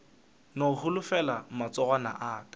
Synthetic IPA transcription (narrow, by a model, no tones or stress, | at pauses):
nohʊlʊfɛlamat͡sɔɣwana̰ʔaːkḁ